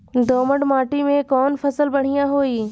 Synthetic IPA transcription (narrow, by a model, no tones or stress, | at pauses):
d̪oːməɖmaːʈimẽkɔːnpʰɐsəlbɐɽ̤̃ijãɦoːiː